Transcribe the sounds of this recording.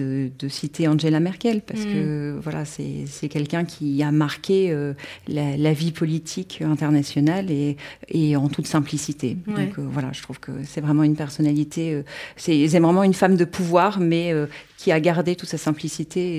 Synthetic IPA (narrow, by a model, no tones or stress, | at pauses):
əd̪əsit̪ʰeɑ̃ʒelamɛʁkʲɛlpaʁsə̥kəvwala̰sɛ̰sɛkʲɛlkʲɛ̃kʲʰiamaʁkʲeølalavipɔlit̪ʰikʰøɛ̃t̪ɛʁnasjɔnaleeɑ̃t̪ʰut̪sɛ̃plisit̪ʰed̪ɔ̃køvwala̰ʒə̥t̪χuv̥kə̰sɛvʁɛmɑ̃ynpɛʁsɔnalit̪ʰeøsɛsɛvʁɛmɑ̃ynfamd̪əpʰuvwaːʁmɛøkʲʰiaɡaʁd̪et̪ut̪sasɛ̃plisit̪ʰe